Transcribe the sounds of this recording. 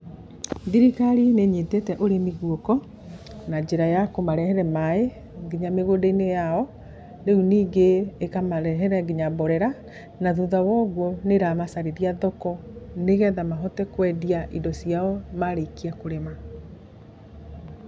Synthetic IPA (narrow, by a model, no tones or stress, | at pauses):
ðiɾikaɾineɲetetɛʔoɾemiɣuokɔ | nad͡ʑeɾajakomaɾɛhɛɾɛmae | ɡiɲameɣodeinejaɔ | neuniːɡeːkamaɾɛɦɛɾɛɡiɲabɔɾɛɾa | naðuðawɔɣwɔneɾamasaɾeɾiaðɔkɔneɣɛðamaɦɔtɛkwɛdiaʔidɔsiaɔmaɾekiakoɾema